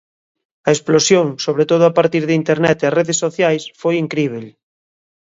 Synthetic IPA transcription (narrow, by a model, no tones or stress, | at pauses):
ɐesplosjoŋsoβ̞ɾet̪oð̞ʊapaɾt̪iɾðeint̪eɾnɛt̪eareðesːoθjajsfojiŋkɾiβ̞el